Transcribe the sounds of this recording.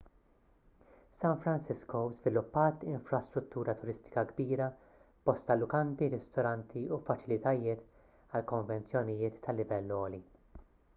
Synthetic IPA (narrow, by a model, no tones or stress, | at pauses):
sɐnfɾɐnsɪskɔzvɪlʊpːɐːt̪ɪɱfɾɐst̪ɾʊt̪ːuːɾɐt̪ʊɾɪst̪ɪ̥kɐɡbiːɾɐ | b̥ɔst̪ɐlːʊkɐnt̪iɾɪst̪ɔɾɐnt̪ʰiufɐt͡ʃɪlɪt̪ɐjɪːt̪ | ɐlkɔɱvɛnt͡sjɔnɪjɪːt̪ʰːɐlːɪvɛlːɔːli